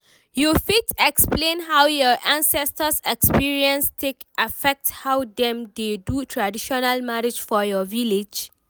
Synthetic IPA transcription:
jufitɛksplẽnɦawjɔʔãnsɛstəsɛkspiɹiɛ̃nstʰekʔafɛk̚thawdɛ̃mdedutʰɹadiʃɔnalmaɾid͡ʒfɔjɔviled͡ʒ

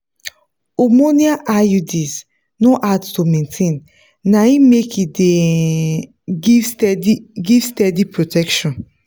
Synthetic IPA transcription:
omoniaʔajudis | noʔadtomẽntʰẽn | naĩmekide | iɡivstɛdipɹotʰɛkʃɔ̃n

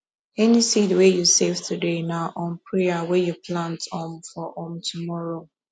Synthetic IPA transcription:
ɛnisidwejusevtʰudenaʔɔ̃npɹeawɛjupʰlãntɔ̃mfɔʔɔ̃mtʰumɔɹo

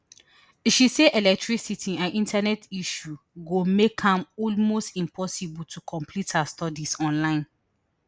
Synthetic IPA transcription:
iʃiseʔɛlɛk̚tɹisitʰiãnʔĩntʰanɛtiʃuɡomekhãmɔlmostĩmpʰɔsibultʰukʰɔ̃mpʰlithastɔdisɔ̃nlãɪ̃n

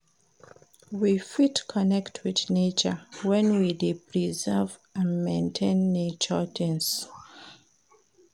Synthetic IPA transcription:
wifitkʰɔnɛktʰwiðnet͡ʃəwɛ̃nwidepɹizɛv | ãnmẽntʰẽnːet͡ʃətɪ̃ŋs

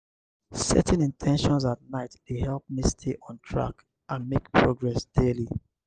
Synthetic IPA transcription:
sɛ̰tɛ̃nĩntʰɛ̃nʃɔ̃nsat̚naɪtdehɛlp̚mistʰeʔɔ̃ntʰɹa̰k | ʔãnmekpʰɹoɡɹɛsd̥eli

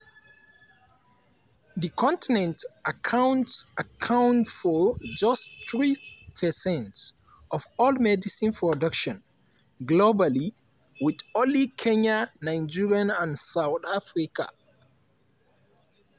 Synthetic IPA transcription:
ðikʰɔ̃ntinɛ̃ntakʰãw̃ntsakʰãwntfɔd͡ʒʌstθɹipʰɛsɛ̃nt | ɔvɔlmɛdisĩnpʰɹɔdʌkʃɔ̃n | ɡlobali | wɪðɔlikʰɛ̃ɲanãɪ̃nd͡ʒiɹiãnãnsawθafɹika̰

